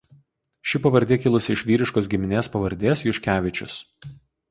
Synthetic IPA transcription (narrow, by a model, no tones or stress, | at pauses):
ʃʲɪpɐʋɐɾʲd̪ʲeːkʲɪlˠʊsʲɪɪʃʋʲiːɾʲɪʃkoːs̬ɡʲɪmʲɪnʲeːspɐʋɐɾʲd̪ʲeːsjʊʃʲkʲæːʋʲɪt͡ʃʲʊ̰s